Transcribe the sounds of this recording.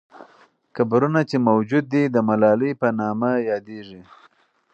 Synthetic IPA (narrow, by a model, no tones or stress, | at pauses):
kabɾunat͡ʃemawd͡ʒud̪ːid̪əmalɑləjpənɑmajɑd̪eʐi